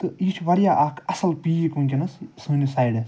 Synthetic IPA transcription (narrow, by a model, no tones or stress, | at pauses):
t̪ɨit͡ʃʰʋɐɾjaːʔaːkʰɐsɐlpiːikuŋkʲinɐssuːnisaːjɖe